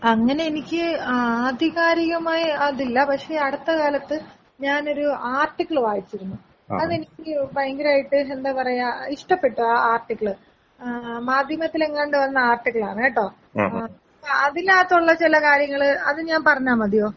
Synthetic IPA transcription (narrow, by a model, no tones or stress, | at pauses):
ɐŋːɐne̞enikʲːɨaːd̪ʱiɣaːɾiɣɐmaːjiɐðilːɐpɐkʂe̞ːɐɽɐt̪ːɐkaːlɐt̪ːɨ | ɲaːno̞ɾuaːrʈːikːɐɭɨʋaːjit͡ɕːiɾunːu | ɐðe̞nikʲːɨbɐjŋɡiɾaːjiʈːɨend̪aːpɐrɐjaiʂʈɐpːe̞ʈːuaːaːrʈːikːɐɭɨ | maːd̪ʱjɐmɐt̪ːileŋːaːɳɖɨʋɐnːɐaːrʈːikːɐɭa̰ːɳɨeʈːo̞ː | ɐpːɐðilaːt̪ːuɭːɐt͡ɕilɐkaːɾjɐŋːɐɭɨɐðɨɲaːnpɐrɐɲːaːmɐd̪ʱijo̞ː